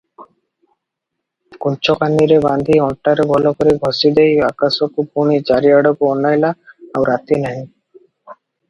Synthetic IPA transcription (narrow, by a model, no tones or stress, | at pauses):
kunt͡ʃɔkand̪iɾeband̪ʱiɔʈːaɾebʱɔlokoɾiɡʱɔsid̪ejakasɔkupuɽ̃it͡ʃaɾiaɽɔkoɔnːajlaawɾat̪inaɦĩ